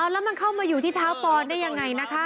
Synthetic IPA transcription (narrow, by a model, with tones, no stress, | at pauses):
ʔaː˧˩lɛː˦˥wma˧nkʰa˥˩wmaː˧juː˨˩t̪ʰiː˥˩t̪ʰaː˦˥wpɔː˧ndaː˥˩ja˧ŋːa˧jna˦˥kʰa˦˥